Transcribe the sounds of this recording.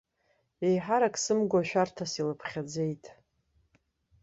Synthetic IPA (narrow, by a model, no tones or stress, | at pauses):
e̞jħaɾakʼsɨmɡʷaʃᶣartʰasilɨpʰχʲad͡ze̞jtʼ